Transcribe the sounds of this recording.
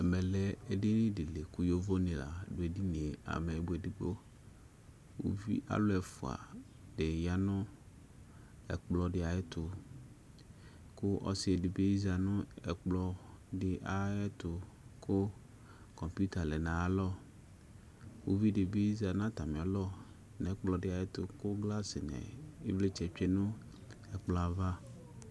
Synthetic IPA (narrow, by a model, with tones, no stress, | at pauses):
ɛ˨mɛ˨lɛ˨e˨dɪ˦nɪ̃˦dɪ˨le˨ku˦jo˦vo˦nẽ˨la̰˨ɖʊ˨˦e˨di˦nĩ˨e˨a̰˨me˨bu˦e˨di˨ɡ͡bo˦ | wo̰˦vḭ˦ʔa̰˨lʊ˦ɛ˨fʊ˨a̰˨ | ɖe˨ja˨nʊ̃˦ | ɛ̰˨k͡plɔ˨dɪ˦a˨jɛ˦t̪ʊ˨ | kʊ˦ʔɔ̰˦sɪ˦e˨dɪ˨be˦i˦za˨nʊ̃˦ɛ˨k͡plɔ˨ɖɪ˨ʔa˨ɛ˦t̪ʊ˨ | kʰʊ˦ | kɔ̃˨mpu˦t̪a˨lɛ˨nã˨a˨lɔ˦ | wo˦vi˦ɖɪ˨be˦i˦za˨nã˦t̪a˨mĩ˨a˨lɔ˦ | nɛ̃˨˦k͡plɔ˨ɖɪ˦a˨jɛ˦t̪ʊ˨kʊ˦ɡla˦sɪ˨nɛ̰˨ḛ˦ble˦t͡ʃɛ˨t͡ʃᶣɛ˦nʊ̃˦ | ɛ˨k͡plɔ˨˦a˨va˦